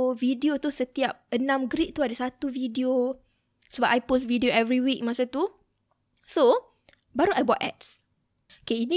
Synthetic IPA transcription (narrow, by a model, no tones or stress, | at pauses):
vidiot̪usət̪iap̚ənãmɡɾiʔ̚t̪uadəsat̪uvidio | səbap̚ʔajpos̬tvidioɛvɾiwik̚masat̪u | so | baɾuʔajbɔt̪ɛ̰t̚s | okeinĩ